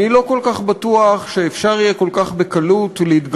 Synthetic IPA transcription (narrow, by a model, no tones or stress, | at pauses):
nilo̞ko̞lkaχbat̪uaχʃeefʃaʁijeko̞lkaχbekalutleit̪ɡ